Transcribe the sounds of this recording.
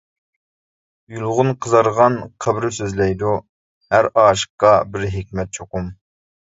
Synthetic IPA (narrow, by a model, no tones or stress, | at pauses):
julˠʁʊnqʰəzɑɾʁɑnqʰəbɾɪsøzlɛjd̪u | hæɾɑːʃə̥qːɑbɪɾɦɪkʲmɛt̪̚t͡ʃʰoqum